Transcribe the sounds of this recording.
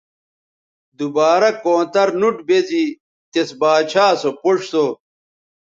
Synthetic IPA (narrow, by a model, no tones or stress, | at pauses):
d̪ubaːɾɐkõːt̪ɐɾnuʈbezi | t̪esbaːt͡ɕʰaːsopoʂso